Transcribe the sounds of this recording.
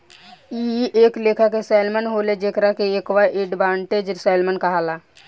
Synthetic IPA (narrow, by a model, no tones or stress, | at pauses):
ieːkleːkʰakesaːlmənɦoːled͡ʒeːkɾakeeːkʋaʔeːɖbãːɳʈed͡ʒɾɪsaːlmənkəɦaːlaː